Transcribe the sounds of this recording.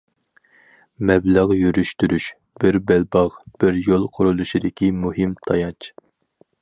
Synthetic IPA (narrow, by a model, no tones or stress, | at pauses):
mɛblæʁjyɾyʃt̪yɾyʃ | b̥ɪɾbælbɑʁb̥ɪɾjolˠqʰʊɾulˠuʃid̪ɪkʲʰimuɦɨmt̪ʰɑjɑt͡ʃ